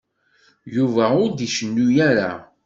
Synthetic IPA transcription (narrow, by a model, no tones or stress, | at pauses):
juvæʊɾd̪iʃənːujæɾa̰